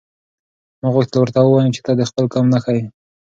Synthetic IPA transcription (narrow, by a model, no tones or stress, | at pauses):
muɣwok̚t̪lawəɾt̪awəwɑjut͡ʃe̥t̪ɑd̪əxpəlkɑmnaxaji